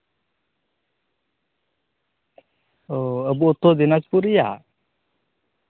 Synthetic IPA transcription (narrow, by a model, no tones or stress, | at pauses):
ɔəbuʔot̪ɔd̪inad͡ʒpuɾɛja̰